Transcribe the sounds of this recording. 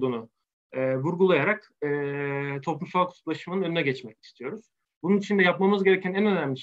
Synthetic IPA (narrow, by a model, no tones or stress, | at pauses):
d̪uːnʊ | ɛːvuɾɡulˠajaɾak | ɛːt̪ʰo̞plumsalˠkʰu̥t̪ʰuplˠaʃɯmɯnɯnø̞nynɛɟɛt͡ʃmɛci̥st̪ʰijo̞ɾuz̥ | bununit͡ʃʰind̪ɛjapmamɯzɟe̞ɾecʰænænø̞næmlʲiʃ